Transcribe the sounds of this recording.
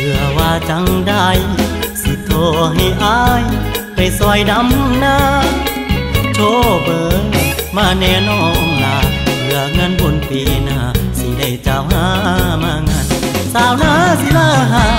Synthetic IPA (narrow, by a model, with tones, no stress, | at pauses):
pʰɯ˧˩ɐwaː˧t͡ɕa˧˦ŋda˧jsi˧˦t̪ʰoː˧˩ɦa˧˩jʔaː˧˥jpa˧˩jsɔ˧jda˧˦mnaː˧ | t͡ɕʰoː˧˥bɤː˨˧maː˧˩nɛː˧˩nɔː˧˩ŋnaː˧˩pʰɯ˧˩ɐəŋa˧˥˨nbo˧˨np̪iː˧˨naː˧˩si˧˩da˧˩jt͡ɕa˧˩whaː˧˥maː˧˩ŋa˧˥˨n | saː˧˩˨wnaː˧˥si˧˦laː˧˩ɦaː˧